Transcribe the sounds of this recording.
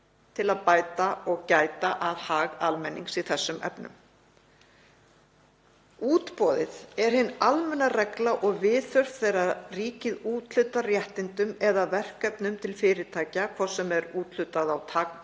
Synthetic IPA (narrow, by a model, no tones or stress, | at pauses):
t̪ʰɪlaðpaːjt̪aɔɣcaːjt̪aʔaðhaːɣalmɛnːiŋksiθɛsːʏmɛ̰pnʏ̰m | uːt̪pɔːðɪðɛɾ̥hɪnːalmɛnːarɛklaʔɔɣvɪːðθœr̥t̪θejrariːcɪðuːt̪l̥ʏt̪ːarjɛht̪ɪnt̪ʏmɛðavɛr̥kɛpnʏmt̪ʰɪlfɪːɾɪt̪ʰaːjcakʰvɔ̥sːɛmɛɾuːt̪l̥ʏt̪aðawt̪ʰaːkn